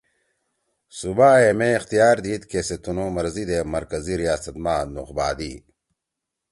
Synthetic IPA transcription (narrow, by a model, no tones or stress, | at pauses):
subaːemẽixt̪ijaːɾd̪iːt̪keset̪unõːmɐɾzid̪eːmɐɾkɐziɾijaːsɐt̪̚maːnuqbaːd̪iː